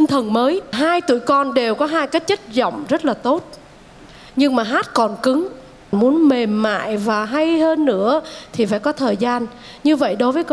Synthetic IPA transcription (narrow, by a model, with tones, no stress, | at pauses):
t̪i˧ŋt̪ʰə˨˩nməː˨˦jɦaː˧jt̪ṵ˧˩əjkɔ˧nɗe˨˩wkɔ˨˦ɦaː˧jkaː˦˥t̚t͡ɕə˦˥t̚zɔ̰˧˨wŋ͡mzə˦˥t̚laː˨˩t̪o˦˥t̚ | ɲɨ˧ŋmaː˨˩ɦaː˦˥t̚kɔ˨˩nkɨ˨˦ŋ | nmu˨˦ənme˨˩mːa̰ː˧˨jvaː˨˩ɦa˧jhəː˧nːɨ̰˧˥ət̪ʰi˨˩faː˧˩jkɔ˨˦t̪ʰəː˨˩jzaː˧n | ɲɨ˧və̰˧˨jɗo˨˦jvəː˨˦k